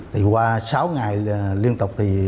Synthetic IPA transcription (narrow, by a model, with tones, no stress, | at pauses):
t̪ʰi˨˩kwaː˧saː˨˦wŋa˨˩jli˧ənt̪o˨˩k͡p̚t̪ʰi˨˩